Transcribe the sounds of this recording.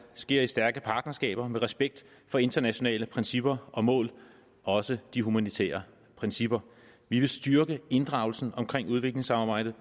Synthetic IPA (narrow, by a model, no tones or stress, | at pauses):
sɡ̥e̝ɐ̰isd̥æɐɡ̥əpʰɑ̈ːd̥nɐsɡ̥ɛ̰ːb̥ɐmeʁɛsb̥eɡ̥̚d̥ | fɒ̽e̝nd̥ɐnæɕo̝nɛ̰ːləpʰʁɛnsib̥ɐʔɒ̽mɔ̰̽ːl | ɒ̽səd̥iɦumænit͡sʰḛːɐ | pʰʁɛnsib̥ɐ | ʋiʋe̝sd̥yɐɡ̥əe̝nd̥ʁɑ̈ʊl̩sn̩ɒ̽mkʰʁeŋ̰uð̞ˠʋe̝ɡ̥le̝ŋsɑ̈mɑ̈ːb̥ɑ̈ɪ̰d̥ð̩ˠ